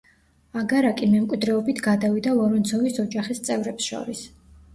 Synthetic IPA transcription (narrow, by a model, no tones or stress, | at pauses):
aɡaɾakʼimɛmkʼwid̪ɾɛɔbit̪ʰɡad̪avid̪alˠɔɾɔnt̪sʰɔvisɔd͡ʒaχist̪sʼɛvɾɛpsʃɔ̰ɾis